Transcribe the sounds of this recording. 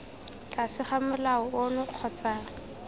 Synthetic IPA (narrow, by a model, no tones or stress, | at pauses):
kʼasɪχamʊlaɔʊnʊq͡χʰɔt͡saːrɪ